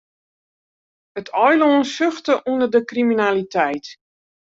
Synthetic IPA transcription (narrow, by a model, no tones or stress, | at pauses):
ətʰɔjloənsøxtəʔunərdəkriminalitʰɛjt